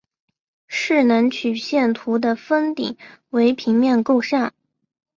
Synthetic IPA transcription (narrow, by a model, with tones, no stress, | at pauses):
ʂɻ̩˥˩nə˧˥ŋt͡ɕʰy˨˩ɕjɛ˥˩nt̪ʰu˧˥d̪ə˧fə˥nt̪ḭ˨˩ŋwe˧˥ɪpʰi˧˥ŋmjɛ˥˧nko˥˧ʊʂa˥˩n